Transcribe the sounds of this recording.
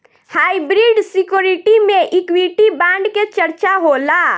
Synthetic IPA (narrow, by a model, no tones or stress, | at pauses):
haːibɾiːɖsɪkjoːɾɪʈimẽʔɪkwiːʈibãːɳɖket͡ʃəɾt͡ʃaɦoːlaː